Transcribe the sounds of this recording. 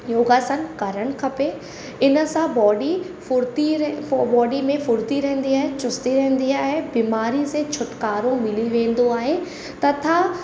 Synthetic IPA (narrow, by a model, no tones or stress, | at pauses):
joːɡaːsənkɐɾəɽ̃̆kʰɐpe | ɪnə̆sãbɔːɖi | fʊɾt̪ibɔːɖimẽfʊɾt̪iɾɐɦə̃nd̪iaːɦet͡ɕʊst̪iɾɐɦɪ̃n̆d̪iaːɦebiːmaːɾiset͡ɕʰʊʈkaːɾõmɪliʋẽːn̆d̪oaːɦe | t̪ɐt̪ʰã